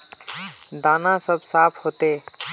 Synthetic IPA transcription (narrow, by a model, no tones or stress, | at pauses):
d̪aːnãsəbsaːpʰhoːt̪eː